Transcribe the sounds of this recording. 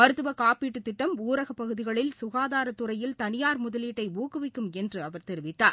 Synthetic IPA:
mɐɾɯt̪ːɯʋɐkaːpiːʈːɯt̪ːɪʈːɐmuːɾɐɣɐpːɐɣɯðɪɣɐɭɪlsʊɣaːðaːɾɐt̪ːʊɾɐjɪlt̪ɐnɪjaːɾmʊðɐliːʈːɐɪuːkɯʋɪkːɯmɛndrɯɐʋɐɾt̪ɛɾɪʋɪt̪ːaːɾ

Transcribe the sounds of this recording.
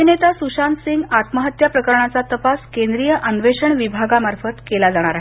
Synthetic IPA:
inet̪asuɕansiŋɡat̪məɦət̪japɾəkəɾɳat͡sat̪əpaskend̪ɾijəʔənʋeʂəɳʋibʱaɡamaɾfət̪kelad͡zaɽ̃aɾaɦee

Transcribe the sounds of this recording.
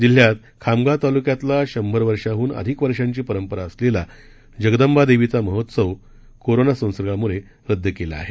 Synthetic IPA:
d͡ʑil̤jat̪̚ | kʰamɡat̪alukjat̪laɕəmbʱəɾʋəɾʂaɦuːnə̰d̪ʱikʋəɾʂaɲt͡ɕiːpəɾəmpəɾaəslela | d͡ʑəɡəd̪əmbad̪eʋit͡saməɦot̪səʋ | koɾonasə̃w̃sɾəɡamuɭe | ɾəd̪ʱːjəkelea̰ɦe

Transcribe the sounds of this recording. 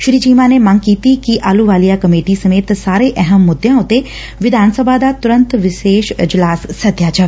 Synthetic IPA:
ʃɾiːt͡ʃiːmaːneːməŋkiːt̪iːkiʔaːluːʋaːlijaːkəmeːʈiːsəmeːt̪saːɾeːʔɛɦəmːʊd̪ːjãːʊt̪ːeː | ʋɪd̪ʱaːnsəbʱaːd̪aːt̪ʊɾənt̪ʋɪʃeːʃɪ̰d͡ʒlaːsːət̪ːjaːt͡ʃəʋe

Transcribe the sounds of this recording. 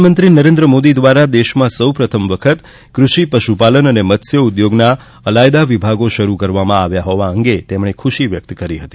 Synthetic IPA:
mə̃nt̪ɾinəɾẽnd̪ɾəmod̪id̪ʋaɾad̪eʃmãsəwpɾət̪ʰəmʋəkʰət̪ | kɾuʃipəʃupalənənemət̪sjəud̪joɡna | əlajd̪aʋibʱaɡoʃəɾukəɾʋamãaʋjaɦɔʋãəŋɡet̪emɳekʰuʃiʋjək̚t̪kəɾiɦət̪i̥

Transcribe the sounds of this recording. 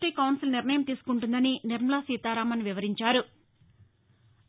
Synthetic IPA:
ʈiːkɐwnsilniɾɳɐjɐmt̪iːsu̥kuɳʈund̪ɐniniɾmɐlaːsiːt̪aːɾaːmɐniʋiʋɐɾiɲt͡ʃaːɾu

